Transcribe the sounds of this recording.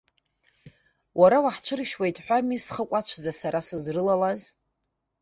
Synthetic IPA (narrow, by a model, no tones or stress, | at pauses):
wʔaɾawaħt͡ʃʷʰɨrʃwajtʼħʷᶣamisχəkʷʼat͡ʃʷʰd͡zasaɾasɨzrɨlalaz